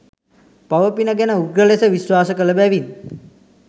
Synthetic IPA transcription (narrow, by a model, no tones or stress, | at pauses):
paʋəpinəɡænəuɡɾəlesəʋisʋaːsəkələbæʋin